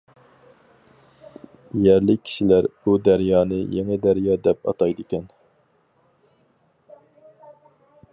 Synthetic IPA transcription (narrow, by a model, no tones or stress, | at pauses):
jæɾlɪi̥ʃilæɾb̥ud̪æɾjɑːnɨjeŋɨd̪æɾjɑːd̪ɛpɑ̰t̪ɑjd̪ɨkʲɛn